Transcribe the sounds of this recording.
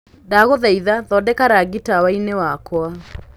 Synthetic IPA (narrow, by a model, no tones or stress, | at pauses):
daɣoðaiðaðɔdɛkaɾaɣitawainewakwa